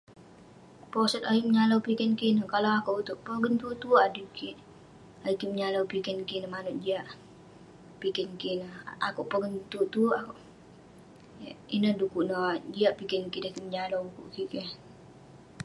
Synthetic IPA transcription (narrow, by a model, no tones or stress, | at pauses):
pɔsət̪aiməɲalawpikɛnkinəkalawakuʔut̪ʊʔpəɡənt̪ut̪uʔadikiʔ | aikiməɲalawpikɛnkinəmanuʔd͡ʒiaʔ | pikɛnkinəha̰kuʔpəɡənt̪uʔt̪uakuʔ | inədukuʔnəd͡ʒiaʔpikɛnkidəhkiməɲalawkṵʔkike